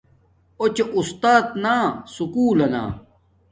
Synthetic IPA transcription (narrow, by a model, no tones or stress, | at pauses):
ot͡ɕeʔust̪aːt̪naːsukuːlɐna̰ː